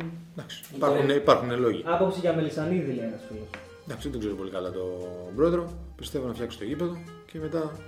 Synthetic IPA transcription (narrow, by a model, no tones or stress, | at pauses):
d̪ɐksi̥ipɐɾxuneipɐɾxunelo̞ʝiɐpo̞psiʝɐmelisɐniðileenɐsfilos | d̪ɐksied̪o̞ɡze̞ɾopo̞likɐlɐt̪o̞bɾo̞eðɾo̞pist̪e̞vo̞nɐfçɐksi̥t̪ocipe̞ðo̞ | ce̞me̞t̪ɐ